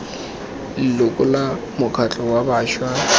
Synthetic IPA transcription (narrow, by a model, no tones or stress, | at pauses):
llʊkʼʊla | mʊkʰat͡ɬʼɔwabaːʃwa